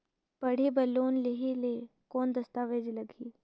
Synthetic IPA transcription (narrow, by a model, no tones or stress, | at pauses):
pɐɽ̤ebɐlːoːnleɦele | kɔːnd̪ɐst̪aːʋeːd͡ʒlɐɡʱiː